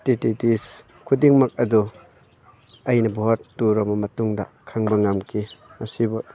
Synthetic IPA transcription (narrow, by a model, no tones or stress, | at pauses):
tititis | kʰudiŋmɐk̚ɐdu | ɐjnɐbɔɦatːuɾɔmɐmɐtuŋdɐkʰaŋbɐŋamkʰimɐsibu